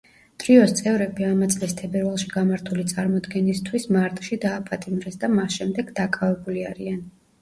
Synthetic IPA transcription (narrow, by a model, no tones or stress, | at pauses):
t̪ʼɾiɔst̪sʼɛvɾɛbiamat̪sʼlist̪ʰɛbɛɾvalˠʃiɡamaɾt̪ʰulit̪sʼaɾmɔd̪ɡɛnist̪ʰwismaɾt̪ʼʃid̪aːpʰat̪ʼimɾɛsd̪amasʃɛmd̪ɛɡd̪akʼavɛbuliaɾian